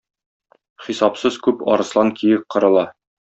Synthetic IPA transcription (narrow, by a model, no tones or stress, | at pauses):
χisɑpsɤzkʉpɒ̰ɾɤ̆slˠɑŋkʰijɘk̚qɤ̆ɾɤ̆lˠɑ